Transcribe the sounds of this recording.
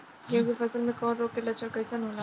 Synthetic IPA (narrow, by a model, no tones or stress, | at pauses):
jebʱifɐsəlmẽkɔːnɾoːɡkːelɐt͡ʃəɾkɐɪsanoːla